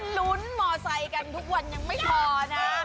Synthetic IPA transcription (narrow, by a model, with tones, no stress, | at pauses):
nlu˦˥nmɔː˧sa˧jka˧nt̪ʰu˦˥k̚wa˧nɲa˧ŋma˥˩jpʰɔː˧na˦˥